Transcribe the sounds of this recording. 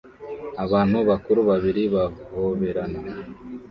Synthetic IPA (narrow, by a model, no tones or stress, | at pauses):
aβaːn̥huβakuɾuβaβiɾiβahoβeɾana